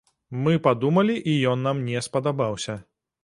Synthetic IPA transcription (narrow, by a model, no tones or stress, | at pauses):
mɨpad̪umɐlʲiʔijɔnːamnʲɛspɐd̪abawsʲɐ